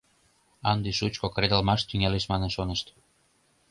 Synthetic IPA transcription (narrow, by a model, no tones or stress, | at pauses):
ɑnd̪iʃut͡ɕkokɾed̪əlmɑʃt̪yŋeleʃmɑnənʃonəʃt̪